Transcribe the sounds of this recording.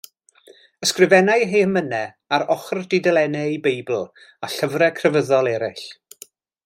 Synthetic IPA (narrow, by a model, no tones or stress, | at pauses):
əskrɪvɛnajɦeːəmənɛ | aɾɔχrdɪdɛlˠɛnɛibejbl̩ˠ | aɬəvrɛkʰrəvəðɔlˠɛɾɪɬ